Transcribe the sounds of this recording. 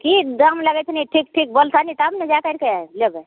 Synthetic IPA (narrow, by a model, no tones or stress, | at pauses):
kid̪əmləɡɛt͡ʃ̪ʰniiʈʰik̚ʈʰik̚bəlt̪ʰanit̪abned͡ʒakəɾkelebe